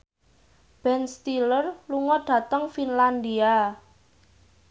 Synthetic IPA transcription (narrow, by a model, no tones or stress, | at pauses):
b̥ɛnst̪ilərluŋɔɖ̥ä̤t̪əŋfinland̪ia